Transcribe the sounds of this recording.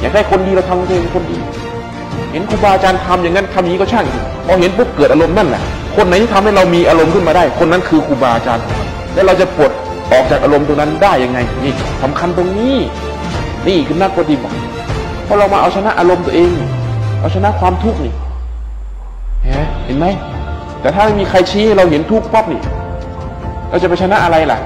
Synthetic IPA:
jaː˨˩k̚da˥˩jkʰo˧ndiː˧ɾa˧wt̪ʰa˧mʰa˧t̪ːeː˧kʰo˧ndiː˧ | he˨˦nkʰuː˧baː˧ʔa˧t͡ɕaː˧nt̪ʰa˧mja˨ŋːa˦˥nkʰa˧˥˩wniː˦kɔː˥˩t͡ɕʰaː˥˩ŋ˨˧˩pʰɔː˧ɦe˨˦npʰu˦˥˩kɤː˨˩t̪̚ʔa˧lo˧mna˥˩nlɛ̰˧ʔ | kʰo˧nːa˧˦t̪ʰt̪ʰa˧mha˥˩jɾa˧wmiː˧ʔaː˧ɾo˧mkʰɯ˥˩nmaː˧daː˥˩jkʰo˧nːa˦˥˨nkʰɯː˧kʰuː˧˩baː˧ʔa˧t͡ɕaː˧n | lɛ˦˥˩ɾa˧wt͡ɕa˨˩pu˨˩ət̪̚ | ʔɔː˨˩k̚t͡ɕaː˨˩k̚ʔaː˧ɾo˧mt̪na˦˥ndaː˥˩jːa˧ŋːa˧jniː˦˥˩sa˨˦mkʰa˧nt̪o˧ŋniː˦˥˨ | niː˧˩kʰɯ˧˩nːaː˦˥˩k̚pa˧t̪i˧ba̰˨˩t̪̚ | pʰɔː˧˥˩ɾa˧wmaː˧ʔa˧wt͡ɕʰa˧na̰˦˥ʔa˧lo˧mt̪u˧ʔeː˧ŋni˧˩ʔa˧wt͡ɕʰa˧na˦˥˨kʰwaː˧mt̪ʰu˦˥˩k̚ni˧˩ | hɛː˨˦˥he˨˦nma˦˥˩j | t̪ɛː˨t̪ʰaː˥˩ma˥˩jmiː˧kʰa˧jt͡ɕʰiː˥ha˥˩˨ɾa˧wɦe˨˦nt̪ʰu˦˥˩k̚pɔ˦˥˩t̚nḭ˧˩ | ɾa˧wt͡ɕa˨˩pa˧jt͡ɕʰa˧na˦˥ʔa˧ɾa˧jla̰˧˦ʔ

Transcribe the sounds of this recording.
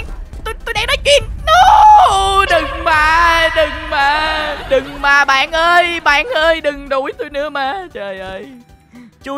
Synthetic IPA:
t̪u˧jt̪u˧jɗaː˧nɔ˨˦jki˨nnɔ˨˧˦ | ɗɨ˨˩ŋmaː˨˩ɗɨ˨˩ŋmaː˨˩ɗɨ˨˩ŋmaː˨˩ɓa̰ː˧˨nʔəː˧jɓaː˧˨nʔəː˧jɗɨ˨˩ŋɗu˧˩˦jt̪u˧jnɨ̰˧˨˦əmaː˨˩t͡ɕəː˨˩jʔəː˧˩j | t͡ɕu˧

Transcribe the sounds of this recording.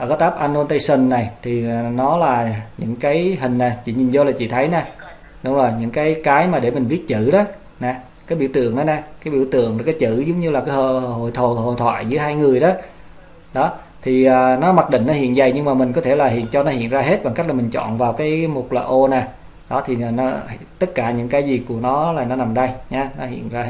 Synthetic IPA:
ʔəː˧˩ka˨˦t̪aː˦˥p̚ʔa˧no˧nt̪ə˧jsə˧nːa˨˩jt̪ʰi˨˩˨nɔ˨˦laː˨˩ɲɨ̰˧˥ŋkaː˨˦jɦï˨˩ŋ̟na˨˩t͡ɕḭ˧˨ɲi˨˩nzo˧laː˨˩t͡ɕḭ˧˨t̪ʰə˨˦jnaː˨˩ | ɗʊ˨˦ŋ͡mzo˨˩jɲɨ̰˧˥ŋkaː˨˦jkaː˨˦jmaː˨˩ɗe˧˩mï˨˩ŋ̟vi˦˥ət̚t͡ɕɨ̰˧˨ɗɔ˨˦ | na˨˩ | kaː˨˦jɓḭ˧˨wt̪ɨ̰˧˨əŋɗɔ˨˦nɛː˨˩kaː˨˦jɓḭ˧˨wt̪ɨ̰˧˨əŋ˨˩kaː˨˦jt͡ɕɨ̰˧˩zu˨˦ŋ͡mɲɨ˧laː˨˩kaː˨˦jho˧˩ɦo̰˧˨jt̪ʰo˧˨ho̰˧˨jt̪ʰwa̰ː˧˨jzɨ˨˧˦əɦaː˧jŋɨ˨˩əjɗɔ˨˦ | ɗɔ˨˦ | t̪ʰi˨˩ʔaː˨˩nɔ˨˦ma˨˩t̚ɗḭ˧˨ŋ̟nɔ˨˦hḭ˧˨ənza˨˩jɲɨ˧ŋmaː˨˩mi˨˩ŋ̟kɔ˨˦t̪ʰe˧˩laː˨˩ɦḭ˧˨ənt͡ɕɔ˧nɔ˨˦hḭ˧˨ənzaː˧ɦe˦˥t̚ɓa˨˩ŋka˦˥k̚lːmï˨˩ŋ̟t͡ɕɔ̰˧˨nvaː˨˩wkaː˨˦jmo˨˩t̚la̰ː˨˩ʔo˧naː˨˩ | ɗɔ˨˦t̪ʰi˨˩˨nɔ˨˦ | t̪ə˦˥t̚kaː˧˩ɲɨ̰˧˥ŋkaː˨˦jzi˨˩ku˧˩ənɔ˨˦laː˨˩nɔ˨˦na˨˩mɗə˧jɲa˧nɔ˨˦hḭ˧˨ənzaː˧ɦe˦

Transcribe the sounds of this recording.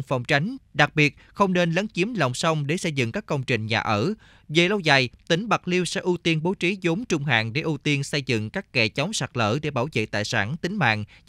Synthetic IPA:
ŋfɔ̰˧˩wŋ͡mt͡ɕa˨˦jŋ̟ɗa˨˩k̚ɓi˨˩ət̚ | xə˧wŋ͡mne˧nlə˨˦nt͡ɕi˨˦əmlə̰˨wŋ͡msə˧wŋ͡mɗe˧˩sə˧jzɨ̰˧˨ŋkaː˦˥kːə˧wŋ͡mt͡ɕï˨˩ŋ̟ɲa̰ː˨˩ʔəː˧˩ | ve˨˩lə˧wza˨˩jt̪ï˧˩ŋ̟ɓa˨˩k̚li˧əwsɛ̰˧˥ʔu˧t̪i˧ənɓo˨˦t͡ɕi˨˦zo˨˦mt͡ɕʊ˧ŋ͡mɦa̰ː˧˨ŋɗe˧˩ʔu˧t̪i˧ənsə˧jzɨ̰˧˨ŋkaː˦˥kːɛ˧˩t͡ɕɔ˨˦wŋ͡msa˨˩t̚lə̰ː˧˩ɗe˧˩ɓaː˧˩wvḛ˧˨t̪a̰ː˧˨jsaː˧˩nt̪ï˨˦ŋ̟ma̰ː˧˨ŋ

